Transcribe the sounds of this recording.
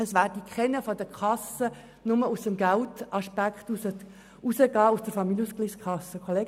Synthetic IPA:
əsʋæːɾdikʰχɛnəfɔdəkʰɑsə | nʊməusəmɡæltɑʃpækχtusə | usəɡɑːusd̥əɾfɑmiljuskliskʰχɑsəkʰɔleːɡ

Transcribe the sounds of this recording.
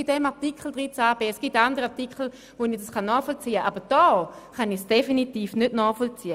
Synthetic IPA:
bɪdɛmaʁtikʰl̩d̥ʁit͡saːb̥eːɛsɡ̥itandəʁəaʁtikl̩ | vonid̥askanːɔːχfɔlt͡siːəʔaːbəd̥ɔː | χanɪsd̥efinitiːfnʏtnɔːχfɔlt͡siːə

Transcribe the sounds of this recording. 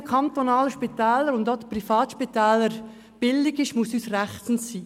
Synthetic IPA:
kʰɑnt̪onɑːləʃpitɛːləɾʊnd̪ɔd̥əprifɑːt̪ʃpit̪ɛːləɾ | b̥ɪlɪɡɪʃmʊsyːsrɛχt͡sn̩siː

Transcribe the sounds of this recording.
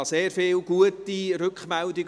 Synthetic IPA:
ɑseːɾfɪːlɡuətiɾʏkχmɛldɪɡ

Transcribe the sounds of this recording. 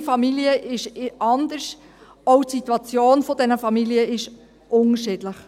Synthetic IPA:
fɑmiliəʔɪʃʔɑnd̪əɾʃ | ɔwtsit̪wɑt͡sjoːnfɔdɛnəfɑmiliəɪʃ | ʔʊŋəʃɪːd̥ləχ

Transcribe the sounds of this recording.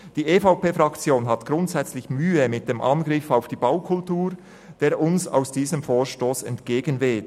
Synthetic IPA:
d̥iːʔefaʊpeːfʁɑkt͡sjoːnɦɑtɡ̥ɾʊntsɛt͡slɪçmyːəmɪt̚d̥eːmʔɑnɡɾɪfaʊfd̥iːbaʊkʰʊltuːɾ | d̥eːɐɾʊnsa̰ʊsd̥iːzəmfoːʃtoːsɛntɡ̥eːɡənveːt

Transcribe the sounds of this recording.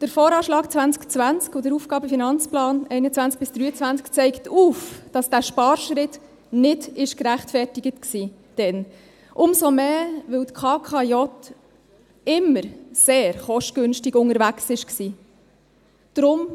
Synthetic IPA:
d̥əɾfɔːɾɑːʃlɑːkt͡sʋænt͡skt͡sʋænt͡skʊdəɾufɡ̥ɑːbəfinɑnt͡splɑːnɛɪnət͡sʋænt͡sk̚bɪsd̥ɾyːət͡sʋænt͡skt͡sɛɪktuːfd̥ɑsd̥æːʃpɑːɾʃɾɪt | nɪdɪʃkɾæχtfɛrtɪɡətksiː | d̥ɛn | ʔʊmsomeːʋɪwt̪kʰɑːkʰɑjɔt | ɪmːəɾseːɾχɔʃtɡ̥ɵnʃtɪɡʊŋəɾvæksɪʃksiː | d̥ɾʊm

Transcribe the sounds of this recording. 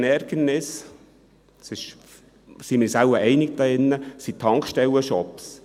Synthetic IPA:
nɛɾɡ̥ənnɪs | sɪʃ | simɪːɾsæləɾɛɪnɪɡd̥̪ɑɪnːəsit̪ʰːɑŋkʃtɛwəʃɔps

